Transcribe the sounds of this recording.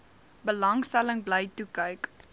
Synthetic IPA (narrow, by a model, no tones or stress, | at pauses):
bəlɐŋstæləŋbləjtukəjk